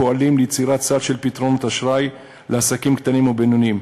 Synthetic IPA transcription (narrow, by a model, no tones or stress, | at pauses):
oalimlijt͡siʁat̪t͡sad̪ʃe̞lpit̪ʁo̞not̪aʃʁaj | lʔeasakimkt̪animubenunim